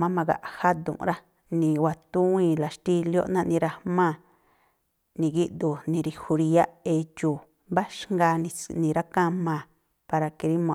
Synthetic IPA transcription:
mã˦mã˧ɣa̰˨ʔha˦d̪ṵ̃˨˧ɾa˦ | nĩ˧wa˨t̪ũ˦ĩ˧la˨ʃt̪i˧ljo̰˦ʔnã˧nĩ˧ɾa˧mã˦˧˨ | nĩ˨ɡi˦ʔd̪u˨nĩ˧ɾi˧hu˧ɾi˧a˦e˧t͡ʃuː˨ | mba˦ʃŋɡa˧nĩ˧nĩ˨˧ɾa˦kã˦mã˧˨ | pa˧ɾa˧ki˧ɾi˦mõ˨

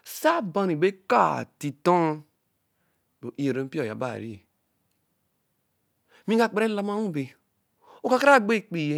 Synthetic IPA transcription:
sa˦ba˨ni˨be˦ka̰˦˨ti˨to˦ŋ˦ | bo˨ʔi˦e˨ɾo˨m̩˦pi˦o˨ja̰˨ba̰˦˨ɾi˦˨ | mĩ˦a˦˨k͡pe˦ɾe˦la˦ma˦ŋu˦˨be˨ | o˨ka˨˦ka˦ɾa˦˨ɡ͡be˦˨k͡pi˨je˦

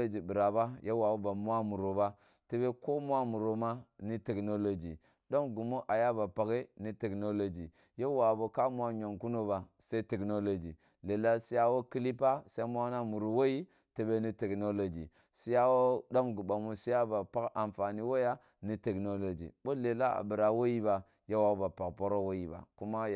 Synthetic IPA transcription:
o˦d͡ʒi˨bi˨ɾa˨ba˦je˦wa˨bo˦ba˨mu˦a˦mu˨ɾo˨ba˦ | te˦be˦ko˦mu˦a˦mu˨ɾo˨ma˦ni˦te˨kno˦lo˦d͡ʒḭ˨ | ɗo˦ŋɡu˨mo˦ʔa˨ja˦ba˨pa˨ke˦ni˦te˨kno˦lo˦˨d͡ʒi˨ | je˦wa˨bo˨ka˦mu˦wa˦ɲo˨ŋku˦no˦ba˨ | se˦i˦te˨kno˦lo˨d͡ʒḭ˨ | le˨la˦si˦ja˦wo˦ki˦li˦pa˦se˦mu˦a˦na˦mu˨ɾu˨wo˦ji˦ | te˨be˦ni˦te˨kno˦lo˨d͡ʒḭ˨ | si˦ja˦wo˦ɗo˦mɡu˨ba˨mu˦si˦ja˦ba˨pa˦ka˨mfa˨ni˦wo˦ja˦ | ni˦te˨kno˦lo˨d͡ʒḭ˨bo˦le˨la˦a̰˨bi˨ɾa˨wo˦ji˦ba˨ | je˦wa˨wo˦ba˨pa˨kpo˦ɾo˦wo˦ji˨ba̰˨ku˦ma˦˨

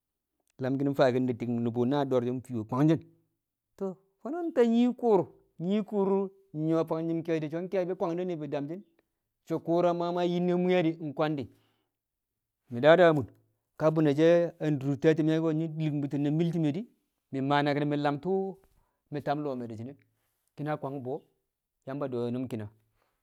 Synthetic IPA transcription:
la˨mɡi˦n˦fa˨ɡi˦ndi˨di˨kni˨bu˨na˦˨do˨ɾd͡ʒi˦n˦pi˨wo˨kʷa˨ŋd͡ʒi˦n | to˨ | fo˦no˦n˦ta˦ɲi˦ku˦ɾu˨ | ɲi˦ku˦ɾu˦˨ | ɲo˨pa˨ŋn˦d͡ʒi˦nke˦ti˨t͡ʃo˦n˦ke˦bi˦kʷa˦ŋ˦di˦ni˨bi˨da˨md͡ʒi˦n | t͡ʃo˨ku˦ɾa˦ma˦ma˦ji˦nːe˦mu˦ja˦di˦˨ŋ˨kʷa˦ndi˨ | mi˨da˦da˦˨mu˨n | ka˦bu˨na˨d͡ʒe˦a˨n˨du˨te˦t̬i˨m˦a˦o˦ɲi˦˨lmbi˨ti˨na˨mi˦lt̬i˦me˨di˦ | mi˨ma˨na˨kni˨mi˨la˨mtu˦ | mi˨ta˨˦m˦lo˨me˨di˨d͡ʒi˨ne˦ | ki˦na˦kʷa˨ŋ˦bo˨˦ | ja˦m˦ba˨do˨jo˨nu˦mki˨na˨

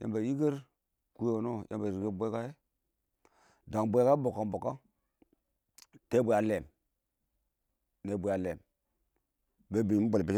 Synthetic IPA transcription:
jḛ˨mba˨i˦ɡe˦ɾ | ku˦jo˨no˦jʔḛ˦mba˨i˨ɡe˦bʷe˦ka˦je˦ | da˨ŋbʷe˦ka˦bo˨ka˨mbo˨ka˦ | te˦bu˨a˨le˨m | ne˨bu˨ja˨le˨m | be˨bi˨m˦bo˨lpi˦

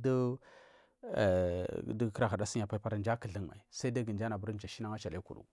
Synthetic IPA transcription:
da˦˨ | dkɾa˨ɣa˨da˦si˦˨a˨pa˦pa˦ɾa˨nd͡ʒa˦kə˨ɮə˦ŋma̰˨i˨sa˦da˦ɡə˨nd͡ʒa˦na˨bu˦ɾd͡ʒa˨ʃi˦na˦ŋa˦t͡ʃa˨le˦kṵ˨ɾṵ˨

